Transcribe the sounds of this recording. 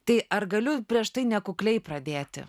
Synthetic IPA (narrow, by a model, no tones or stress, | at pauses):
t̪ɐɪʔɐɾɡɐlʲʊpʲɾʲiɛʃt̪ɐɪnʲɛkʊklʲɛɪpɾɐd̪ʲeːt̪ʲɪ̰